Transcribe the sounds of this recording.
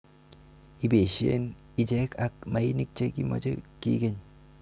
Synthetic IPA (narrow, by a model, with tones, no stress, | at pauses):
i˦be˨ʃi˦ḛ˦n | i˦d͡ʒɛ˦ka˦k̚ma˨i˦ni˦k̚t͡ʃe˦ki˦mɔ̰˦d͡ʒe˦kḭ˦ɡe˦˨ɲ